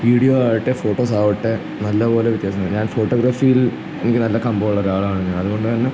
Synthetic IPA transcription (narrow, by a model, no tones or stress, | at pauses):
ʋiːɽijoːaːʋiʈːefo̞ːʈːo̞ːs̬aːʋiʈːe | nɐlːɐpo̞ːle̞ʋit̪jaːsɐmːɲaːnfo̞ːʈːoːɡɾaːfijil | enikʲːɨnɐlːɐkɐmbɐʋɐɭːoːɾaːɭaːɳɲːɐnɐðuɣo̞ɳɖɨt̪ɐnːe